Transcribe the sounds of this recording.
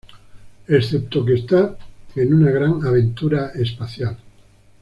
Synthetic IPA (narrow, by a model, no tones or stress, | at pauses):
esθep̚t̪ok̬est̪aenunaɣ̞ɾaŋaβ̞ẽ̞nt̪uɾaespaθjal